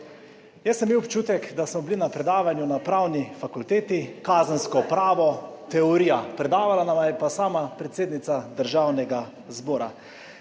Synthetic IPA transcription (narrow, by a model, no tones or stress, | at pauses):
jɛsɛmːiwɔpt͡ʃuːt̪ɛkd̪asmɔblinapɾɛd̪aːʋanjunapɾawnifakult̪eːt̪ikaːzənskɔpɾaːʋɔt̪ɛɔɾiːjapɾɛd̪aːʋalanamajɛpasaːmapɾɛt̪seːd̪nit̪sad̪əɾʒawnɛɡa | zbɔːɾa̰